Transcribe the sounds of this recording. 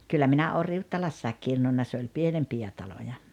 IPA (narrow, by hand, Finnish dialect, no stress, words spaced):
kylːæ minæ oː riutːɑlɑsːɑek kirnunːɑ se olʲ pienempijæ tɑlojɑ